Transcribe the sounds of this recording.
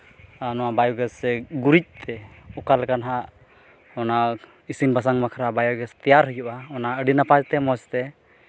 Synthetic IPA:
anɔwabajɔɡɛsɛɡuɾic̚t̪ʰɛɔkalkanɦaʔ | ɔna | isinbas̬aŋmakʰɾabajɔɡɛst̪ɛjaɾɦəjuʔaɔnaʔəɖinapad͡ʒt̪ɛmɔst̪ɛ

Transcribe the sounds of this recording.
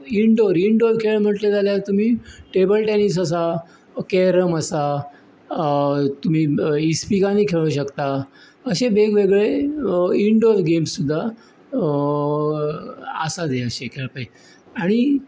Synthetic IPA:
iɳɖoɾiɳɖoɾkʰeɭm̤əʈljed͡zaljat̪um̤iːʈebəlʈenis̬əs̬a | keɾəməsa | t̪um̤iːispikãniːkʰeɭũɕəkt̪a | əɕebeɡʋeɡɭe | iɳɖoɾɡemsːud̪ʱːa | ə̰sad̪eəɕekʰeɭpəj | aɽ̃i

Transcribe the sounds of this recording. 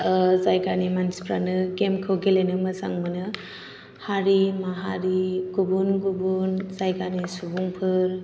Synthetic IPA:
zajɡanimanspɾanɯɡemkʰɯwɡelenɯmɯsa̰ŋmɯnɯ | haɾimaɦaɾiɡubunɡubunzajkanisubuŋpʰɯɾ

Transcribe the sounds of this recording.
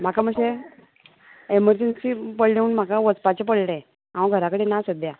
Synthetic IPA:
m̤akaməɕe | eməɾd͡ʑensipəɭleunm̤akaʋət͡spat͡ɕepəɭɽẽ | aə̃ɡʱəɾakəɽenasəd̪ja

